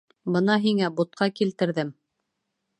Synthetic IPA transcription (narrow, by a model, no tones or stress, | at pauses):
bɤnɑɦiŋæbut̪̚qɑkilt̪ɘ̆ɾðɘm